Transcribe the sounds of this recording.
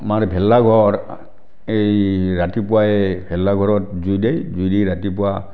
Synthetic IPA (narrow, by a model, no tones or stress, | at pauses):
maɹbʱɛlːaɡʱɔɹ | ejɹatipʊaɛbʱɛlːaɡʱɔɹɔt̚zujdejzujdeɾatipʊwa